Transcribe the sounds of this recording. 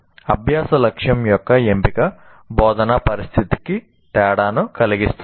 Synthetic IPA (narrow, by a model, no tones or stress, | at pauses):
ɐbʱjaːsɐlɐkʂjɐmjɔkːɐempikɐ | bɔːd̪ɐnapɐɾist̪ʰit̪i̥ki | ʈ̪ɛːɽaːnukɐliɡist̪u